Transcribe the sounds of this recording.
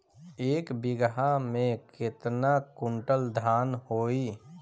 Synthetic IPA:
eːkbɪɡɦamẽkɪt̪nakʊ̃ɳʈəld̪ʱaːnhoːiː

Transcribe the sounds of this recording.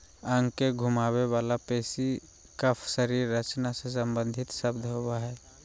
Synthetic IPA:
ə̃ŋɡkeɡʱʊmaːwewaːlapeːsi | kəpʰsəɾiːɾːət͡ʃnases̬ə̃mbə̃nd̪ʱɪt̪ʃəbd̪ʱɦowaɦɛː

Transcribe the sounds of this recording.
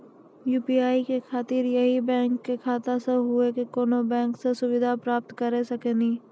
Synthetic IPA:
juːpiaːikekʰaːt̪iːɾjəɦibɛ̃ːŋkːekʰaːt̪aseɦʊekekoːnobɛ̃ːŋksesʊʋɪd̪ʱapɾaːp̚t̪kɐɾesɐkeniː

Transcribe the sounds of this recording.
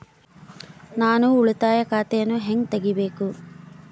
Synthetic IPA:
naːnuːɭut̪aːjɐkaːt̪ejɐnuɦeŋt̪eɡibeːku

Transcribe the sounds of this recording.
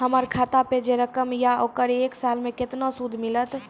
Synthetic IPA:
ɦəməɾkʰaːt̪aped͡ʒeɾəkəmjaoːkəɾeːksalmẽkɪt̪nosud̪ʱmilət̪

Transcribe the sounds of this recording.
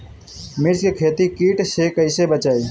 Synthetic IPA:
mɪɾd͡ʒkekʰeːt̪ikiːʈsekəɪsebət͡ʃaːi

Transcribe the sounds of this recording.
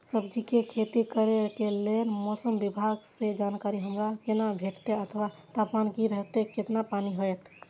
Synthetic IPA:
səbd͡ʒikekʰet̪ikəɾekelenmɔsəmbibʱaɡsed͡ʒankaɾiɦəmɾakenabʱeʈt̪eət̪ʰwa | t̪apmankiɾəɦt̪eket̪napaniɦojt̪

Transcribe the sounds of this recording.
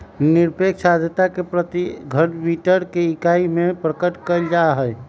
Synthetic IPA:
niɾpekʰsad̪ʱət̪akepɾət̪iɡʱəɽbiʈəɾkeikaimepɾəkəʈkəld͡ʒaɦəj

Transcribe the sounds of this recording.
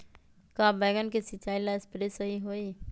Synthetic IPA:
kabɛːɡənkesɪt͡ʃːaːilaspɾesəɦiɦoːi

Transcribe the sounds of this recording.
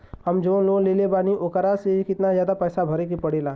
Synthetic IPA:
hɐmd͡ʒõːloːɡ̃leːlebaːniʔoːkəɾaseɦikɪt̪nazjaːd̪apɛːsabʱɐɾekipɐɽeːlãː

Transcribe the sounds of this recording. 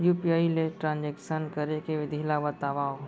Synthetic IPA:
juːpiaːileʈɾãːnd͡ʒɛkʃənkəɾekeʋɪd̪ʱiːlabət̪aʋaːo

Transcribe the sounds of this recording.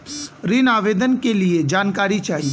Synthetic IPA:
ɾɪnaːʋeːd̪ənkelied͡ʒaːnkaːɾit͡ʃaːɦie

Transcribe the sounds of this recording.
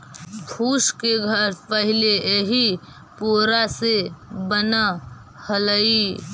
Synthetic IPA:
kʰuːʃkeɡʱəɾpəɦɪleɦi | poːɾasebəna | hələi

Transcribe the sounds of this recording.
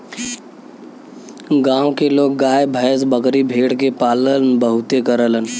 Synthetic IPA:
ɡãːwõkeloːɡ̚ːaːebʱəjəsbəkɾibʱeːɽkepaːlənbəɦʊt̪ekəɾələn

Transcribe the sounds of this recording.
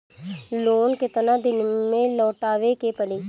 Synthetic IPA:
loːnkɪt̪nãːd̪ɪnmẽːlɔːʈaːʋekepəliː

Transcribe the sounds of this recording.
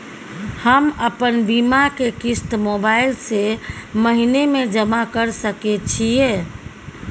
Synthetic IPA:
həməpənbimakekist̪mobaɪlseməɦinemed͡ʒəmakəɾsəket͡ʃʰie

